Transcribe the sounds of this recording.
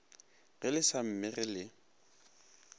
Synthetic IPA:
ɣɪlɪsam̩mɪrɪlɪ

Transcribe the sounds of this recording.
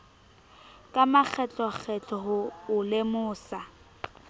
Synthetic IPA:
kʼamak͡xʰɛt͡ɬʼɔk͡xʰɛt͡ɬʼɔɦʊʊlemʊːsa

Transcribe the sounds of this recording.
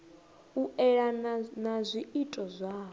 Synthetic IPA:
uɛɺanazʷiitʼɔzʷaː

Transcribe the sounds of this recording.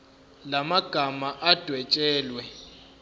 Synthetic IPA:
lamaɡ̥ʱamaʔad̥ʱwɛt͡ʃʼɛːlwɛ

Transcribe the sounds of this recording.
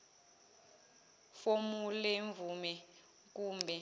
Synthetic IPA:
fomulɛɱvumɛ | k̬uːmbʱɛ

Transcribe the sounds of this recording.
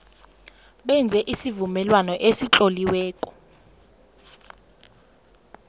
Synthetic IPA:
ɓɛnd͡zʱɛʔisivumɛlwanɔʔesit͡ɬʼoliwɛːkʼɔ̥

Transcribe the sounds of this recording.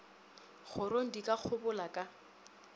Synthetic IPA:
χʊɾoŋ̩dikʼak͡xʰʊbʊlakʼa

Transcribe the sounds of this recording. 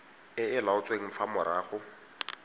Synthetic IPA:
ɪɪlaʊt͡sʼweŋ̩famʊɾaːχʊ

